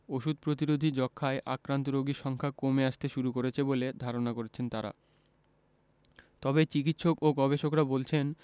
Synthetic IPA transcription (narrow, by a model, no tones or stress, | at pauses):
oʃud̪̚pɾot̪iɾod̪ʱid͡ʑɔkʰːaeʔakɾant̪oɾoɡiʃɔŋkʰakomeaʃt̪eʃuɾukoɾet͡ɕʰeboled̪ʱaɾonakoɾet͡ɕʰent̪aɾa̰ | t̪ɔbet͡ɕik̬it̪ʃokoɡɔbeʃokɾabolt͡ɕʰen